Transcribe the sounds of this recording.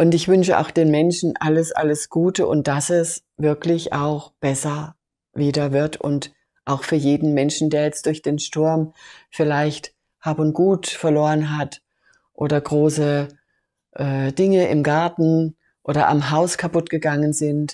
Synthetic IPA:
ʔʊntɪçv̥ʏnʃəʔa̰ʊxd̥eːnmɛnʃn̩ʔaləsʔa̰ləsɡ̥uːtəʔʊ̰nt̚d̥asɛsvɪɐklɪça̰ʊxb̥ɛsɐ | viːdɐvɪɐtʔʊ̰nt | ʔaʊxfyːɐjeːdn̩mɛnʃn̩deːɐjɛt͡st̚d̥ʊɐçd̥eːnʃtʊɐmfɪlaɪçt | haːbʊntɡ̥uːtfɛɐloːʁənɦat | ʔoːɾɐɡʁoːsə | ʔɛːd̥ɪŋəɪmɡaɐtn̩ | ʔoːdɐʔa̰mɦaʊskʰapʊtɡ̥əɡaŋənzɪnt

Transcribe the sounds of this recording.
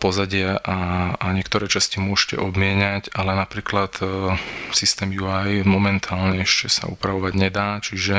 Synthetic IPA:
pɔzaɟɪɛʔaaɲɪɛkt̪ɔɾɛːt͡ʃascimʊɔʃcɛ̰ʔɔbmɪɛɲacalɛnapɾiːklat̪ | sist̪ɛːmjuajmɔmɛnt̪ʰaːlɲɛɛʃcɛsa̰ṵpɾaʋɔʋaɟɲɛd̪aːt͡ʃiʒɛ

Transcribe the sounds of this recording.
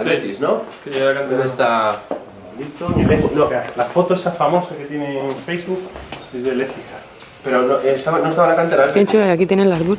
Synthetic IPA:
βet̪iznokeelkant̪eɾest̪a | olit̪olenokalafot̪oesafamosaket̪jeneɱfejzβukezðeleθika | peɾonoʔest̪aβanoest̪aβalakant̪eɾaeent͡ʃuaakit̪enenlaɾðu

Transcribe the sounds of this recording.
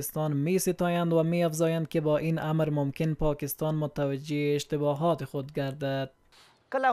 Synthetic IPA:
ɪst̪ɑnmesɪt̪ɔjand̪wameafzɑjand̪̚kɪbɔːʔinʔamɾmʊmkɪnpɒːkɪst̪ɑnmʊt̪awad͡ʒeːʃt̪ɪbɔːɦɒt̪ɪxʊd̪ɡaɾd̪ad̪̥̚ | kl

